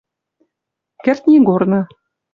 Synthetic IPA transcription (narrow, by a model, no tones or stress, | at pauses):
kært̪nʲiɡornɤ̆